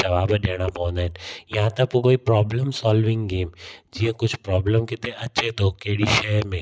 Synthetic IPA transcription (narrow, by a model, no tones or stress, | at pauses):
ɐʋaːbd̪eːñapɔ̃ːnɛnjɐɦãt̪ɐkːokoːipɾɔːbləmsɔːlʋɪ̃ŋɡɡeːmd͡ʒiːɦãkʊt͡ʃʰpɾɔːbləmkɪt̪ẽʔɐtːʃʰet̪okeːɽiʃɛːɾmẽː